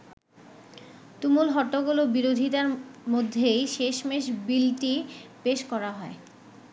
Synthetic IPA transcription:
t̪umulɦɔʈːoɡulobiɾod̪ʱit̪aɾmod̪ʱːejʃeʃmeʃbilʈipeʃkɔɾaɦɔe

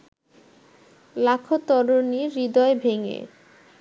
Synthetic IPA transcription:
lakʰot̪ɔɾoniɾid̪ɔebʱeŋḛ

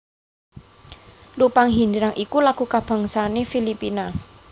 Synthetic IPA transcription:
lupaŋɦindiɾaŋʔikulaɡ̥ṳkab̥a̤ŋsanefilipina

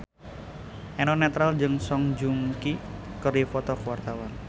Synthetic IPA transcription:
ʔɛnɔnɛt̪ɾald͡ʒɨŋsɔŋd͡ʒuŋkikəɾifɔt̪ɔkwart̪awan

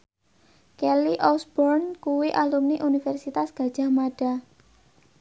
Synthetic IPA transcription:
kɛliʔɔsbɔrnkuwiʔalumniʔunifɛrsit̪asɡ̥a̤d̥ʒ̥a̤hmaɖ̥a̤

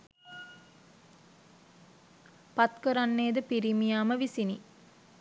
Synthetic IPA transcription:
pat̪kəɾanːeːd̪əpiɾimijaːməʋisini

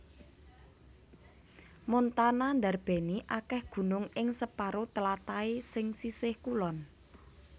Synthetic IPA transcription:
mɔnt̪anand̪arb̥e̤niʔakɛhɡ̥ṳnʊŋɪŋsəpaɾot̪əlat̪aesɪŋsisɪhkulɔn

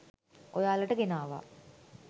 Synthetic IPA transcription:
ojaːləʈəɡenaːʋa̰

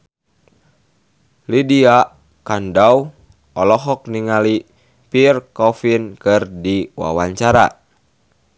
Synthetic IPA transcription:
lidia | kandaw | ɔlɔɦɔk̚niŋali | pirkɔfinkɨrdiwa̰waɲt͡ʃaɾa̰

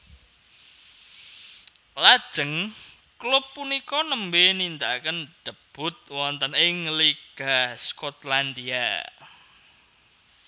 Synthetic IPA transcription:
lad̥ʒ̥əŋ | klʊpːunikɔnəmbenind̪akənɖ̪̥əb̥ʊ̤t̪̚wɔnt̪ənɪŋliɡ̥askɔt̪land̪ia̰

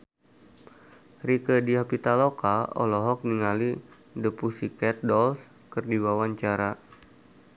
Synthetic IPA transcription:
rikədiapit̪alokaɔ̰lɔɦɔk̚niŋali | dəpusikɛt̪̚dɔls | kərdiwawaɲt͡ʃaɾa

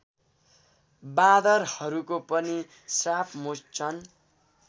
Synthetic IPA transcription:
bad̪ʌrhʌɾukopʌni | srapʰmost͡sʰʌn

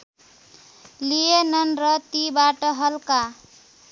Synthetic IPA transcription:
lijenʌnɾʌt̪ibaʈʌɦʌlka

